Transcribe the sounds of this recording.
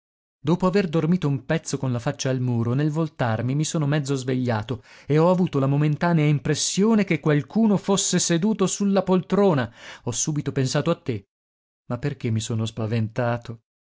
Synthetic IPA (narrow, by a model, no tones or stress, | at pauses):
d̪oːpoaverd̪ormiːt̪oumpɛt̪sːokonlafat͡ʃːaːlmuːɾonelvolt̪armimisoːnomɛd̪zozveʎːaːt̪oeɔavuːt̪olamoment̪aːneaimpɾesːjoːnekekːwalkuːnofosːesed̪uːt̪osulːapolt̪ɾoːnaɔsːuːbit̪opensaːt̪oat̪ːe | mapːerk̟emːisoːnospavent̪aːt̪o